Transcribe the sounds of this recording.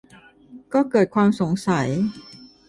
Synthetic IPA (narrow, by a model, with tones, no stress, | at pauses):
kɔː˥˩kɤː˨˩t̪̚kʰwaː˧mso˩˦ŋsa˩˦j